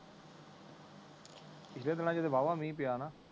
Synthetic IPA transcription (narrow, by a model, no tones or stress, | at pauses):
pɪsleːd̪ɪnãːd͡ʒəd̪eːbaːʋãːmĩːpɪjaːnaː